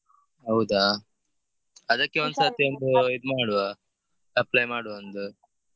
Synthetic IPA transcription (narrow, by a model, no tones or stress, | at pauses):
ɦɐwud̪a | ɐd̪ɐkːeod̪saːt̪iond̪uid̪maːɽuʋa | ɐplajmaːɽuɐnd̪u